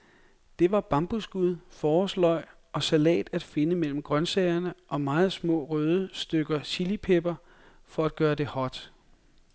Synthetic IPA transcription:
d̥e̝ʋɑ̈b̥ɑ̈mb̥usɡ̥uð̞ˠfɒːslɒ̽ɪ̰ | ʔɒ̽sælɛ̰ːd̥æd̥fe̝nəmel̰m̩ɡ̥ʁɶnsɛɪɐnəʔɒ̽mɑ̈ːð̞̩ˠsmɔ̰̽ːʁøːð̞ˠəsd̥øɡ̥ɐɕilipʰeb̥ɐ | fɒ̽æd̥̚ɡ̥ɶːɐd̥e̝hɒd̥

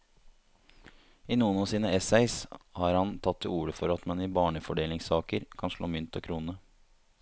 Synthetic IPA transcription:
ɪnuːənɑːsiːnəɛsæɪshɑːɾhɑnt̪ʰɑt̪ʰːɪuːɾəfɔɾɑt̪mɛnɪbɑːɳəfɔɖeːlɪŋsɑːkəɾkʰɑnʂɭo̰ːmʏnt̪ʰɔkʰɾuːnə

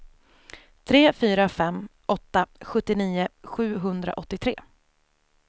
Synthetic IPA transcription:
t̪ʰɾeːfyːɾafɛmːʔɔt̪ːaɧɵt̪ːɪniːʊɧʉ̟ːɦɵnd̪ɾa̰ʔɔt̪ːɪt̪ʰɾeː

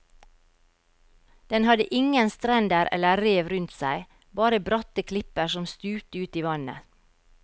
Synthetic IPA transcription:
d̪̥ɛnhɑd̪əʔɪŋənst̪ɾɛnd̪əɾʔɛ̰ləɾeːʋɾʉnt̪sæɪ | bɑːɾəbɾɔt̪əkʰlɪpəɾsɔmst̪ʉːt̪əʉːt̪iːʋɑnə̰

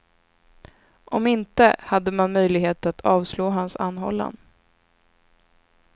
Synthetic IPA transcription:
ʔɔmɪnt̪əhad̪ːəmanmœjlɪɡɦeːt̪at̪ʰɑːvsloːɦansa̰nːɦɔ̰lːa̰nd̪

